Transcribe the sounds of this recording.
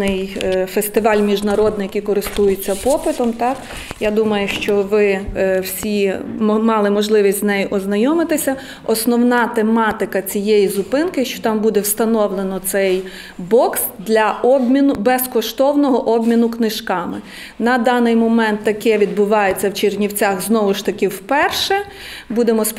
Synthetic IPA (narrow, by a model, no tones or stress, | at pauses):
ɪjfest̪ɪʋɑlʲmʲiʒnɐɾɔd̪nɪjɐkʲijkɔɾɪst̪ujɪt͡sʲːɐpɔpɪt̪ɔmt̪ɑk | jad̪umɐjʊʃt͡ʃɔʋɪwsʲimɑlˠɪmɔʒlˠɪʋʲisʲtʲznɛjɪʔɔznɐjɔmɪt̪ɪsʲɐ | ɔsnɔwnɑt̪emɑt̪ɪkɐt͡sʲijejizʊpɪnkɪʃt͡ʃɔ̥t̪ɑmbud̪ɛwst̪ɐnɔwlˠenɔt̪sɛj | bɔksd̪lʲɐɔbʲmʲinʊbɛskɔʃt̪ɔwnɔɦɔʔɔbʲmʲinʊknɪʃkɑmɪ | nɐd̪ɑnɪjmɔmɛnt̪ːɐkɛʋʲid̪̚bʊʋɑjet͡sʲːɐwt͡ʃernʲiwt͡sʲaxznɔʋʊʃt̪ɐkɪwpɛrʃɛ | bud̪emɔs